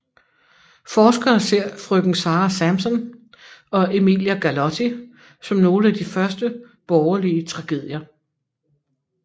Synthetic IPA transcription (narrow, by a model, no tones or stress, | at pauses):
fɒːsɡ̥ɐːse̝ɐ̰fʁøɡ̥n̩ŋ̩sɑ̈ːæsæmsɒ̽n | ɒ̽e̝mḭljæɡ̥ælɒt͡sʰi | sɒ̽mno̝ːləæd̥ifɶɐsd̥ə | b̥ɒʊɐliət͡sʰʁɑ̈ɡ̥e̝ð̰ˠjɐ